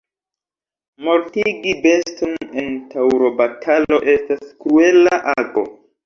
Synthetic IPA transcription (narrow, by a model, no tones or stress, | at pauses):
mo̞ɾtiɡibe̞stone̞ntʰawɾo̞batʰalo̞ʔe̞staskɾue̞laʔaɡo̞̰